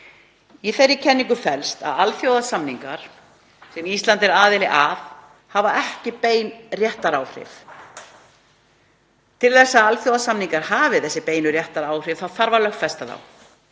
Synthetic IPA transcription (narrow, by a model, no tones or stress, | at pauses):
iθɛɾːɪcʰɛnːiŋkʏfɛlst̪a̰ðalθjowðasamniŋkaɾ̥ | sɛmist̪lant̪ɪɾaːðɪlɪʔaf | havaɛhcɪpeːjnrjɛht̪aɾaːwhr̥ɪ̰f | t̪ʰɪlθɛsːaalfjowðasamniŋkaɾ̥haːvɪθɛsːɪpeːjnʏrjɛht̪aɾaːwr̥ɪvθawθaɾvalœxt̪fɛst̪aða̰w